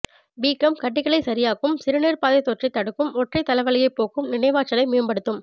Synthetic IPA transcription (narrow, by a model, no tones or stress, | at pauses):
biːkɐmkɐʈːɪkɐɭɐɪsɐɾɪjaːɣɯmsɪɾɯneːɾpaːðɐjt̪ːoːʈrɐɪt̪ːɐɽɯkːɯmɔʈrɐɪt̪ɐlɐʋɐlɪjɐɪpːoːkɯmnɪnɐɪʋaːt͡ʃːɐlɐɪmeːmbɐɽɯt̪ːɯm